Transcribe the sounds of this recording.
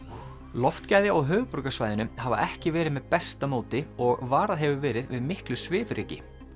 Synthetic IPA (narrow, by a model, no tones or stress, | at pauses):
lɔft̪cajðɪʔɔɣɦœːɣpʏɾkasvajðɪnʏmhava̰ʔɛhcɪvɛːɾɪðmɛðpɛst̪amoːwt̪ɪɔɣvaːɾaðɦɛvʏvɛːɾɪðvɪðmɪhklʏsvɪːfɾeːcɪ